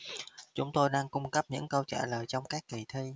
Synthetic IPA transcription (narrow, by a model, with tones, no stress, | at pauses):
t͡ɕʊ̰˨˦ŋ͡mt̪o˧jɗaː˧ŋkʊ˧ŋ͡mkə˦˥p̚ɲɨ̰˧˥ŋkə˧wt͡ɕa̰ː˧˩ləː˨˩jt͡ɕɔ˧wŋ͡mkaː˦˥kːi˨˩t̪ʰi˧